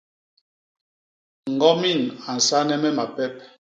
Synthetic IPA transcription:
ŋ̩˨ɡɔ˦mi˦˨na˨n̩˨sa˦nɛ˦mɛ˦ma˨pɛ˦p̚

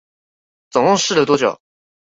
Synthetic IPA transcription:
t͡sʊ˨˩ŋʊ˥˧ŋʂɻ̩˥˩d̪ə˩t̪wɔ˥t͡ɕjo̰˨˩˦ʊ

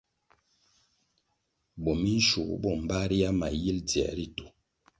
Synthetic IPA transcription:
bɔ˨mi˦n̩˦ʃṵ˨˦bɔ˦˨m̩˨ba˦ɾi˦ja˦ma˨ji˦ld͡zi˨a̰˨ɾi˦to̥˨

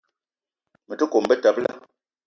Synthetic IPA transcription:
mə˨tə˦ko˨m˨bə˦ta˨p̚la̰˦

